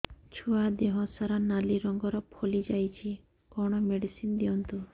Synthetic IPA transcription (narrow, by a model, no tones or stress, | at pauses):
t͡ʃʰuad̪eɦɔ̃saɾanaliɾɔŋɡɔɾɔpʰolid͡ʒajt͡ʃʰi | kɔɽ̃ɔmeɽisind̪iɔnt̪u